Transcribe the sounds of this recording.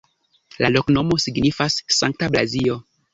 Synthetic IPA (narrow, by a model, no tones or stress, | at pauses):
lalo̞kno̞mo̞siɡnifasːaŋk̚tabla̰zio̞